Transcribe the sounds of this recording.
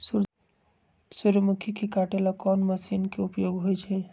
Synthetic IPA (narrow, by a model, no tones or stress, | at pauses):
su | suɾmukʰikekaʈelakɔnməsinkeupjoɡɦojt͡ʃʰɛ